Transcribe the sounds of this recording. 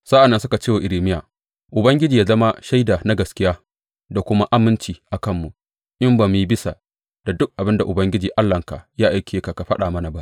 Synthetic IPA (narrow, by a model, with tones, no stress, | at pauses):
sa˦ʔa˨nːɐ˦nsʊ˦ka˨t͡ʃeː˦wa˨ʔɪ˨ɾiː˨mɪ˦jaː˨ | ʔʊ˨bɐ˦ŋɡʲɪ˦d͡ʒiː˨jaː˦zɐ˦ma˦ʃa˦jdaː˨na˦ɡɐ˨skʲɪ˦jaː˦ | da˨kʷʊ˦ma˦ʔa˦mɪ˦nt͡ʃiː˨ʔa˨kɐ˦mːu˨ | ʔɪ˦mbɐ˨mːi˦bɪ˦sa˨ | d̥a˨dʊ˦k̚ʔa˨bɪ˦nda˨ʔʊ˨bɐ˦ŋɡʲɪ˦d͡ʒiː˨ʔa˦lːɐ˨ŋka̰˨jaː˦ʔa˨jkʲʰe˨˦ka˨ka˨ɸɐ˦ɗaː˨mɐ˦na˨ba˦ʔ